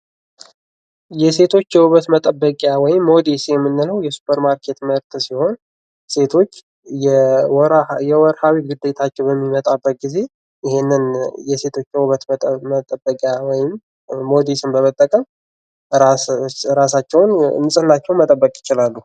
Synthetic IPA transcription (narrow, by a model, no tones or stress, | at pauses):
jɛse̞t̪ʰo̞t͡ʃːjɛwuβət̪mət̪ʼəbːəkʼjawɔjɪmːo̞d̪isjɛmːɨnːɨləwjɛsu̥pʰəɾmaɾkʰe̞t̪məɾt̪siho̞n | se̞t̪ʰo̞t͡ʃː | jɛɾjɛwɔɾhawiɡɨd̪ːe̞t̪ʰat͡ʃːɛwbəmːimət̪ʼabːət̪̚ɡize̞ | ʔɪhenːɨnjɛse̞t̪ʰo̞t͡ʃːjɛwuβət̪mət̪ʼəbːəkʼjawɔjɪmː | o̞d̪isɨmbəmət̪ʼːəkʼəm | ɾasat͡ʃːɛwʊnnɨsʼɨnːat͡ʃːɛwnmət̪ʼəbːəkʼjɪt͡ʃɪlalːu